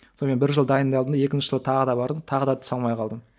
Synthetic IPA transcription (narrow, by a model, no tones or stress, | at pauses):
sonme̞nbɪɾʒəlˠd̪ɑjənd̪ɑld̪ənd̪ɑje̞kʲɪnʃɪʒəlˠət̪ʰɑʁəd̪ɑbɑɾət̪ʰɑʁəd̪ɑt̪ʰʊ̥sɑlˠmɑjqʰɑlˠd̪əm